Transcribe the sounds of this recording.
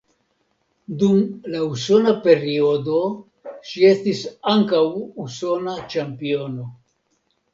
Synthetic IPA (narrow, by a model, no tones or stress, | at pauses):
dumlauso̞nape̞ɾio̞do̞ | ʃie̞stisaŋkawuso̞nat͡ʃampio̞no̞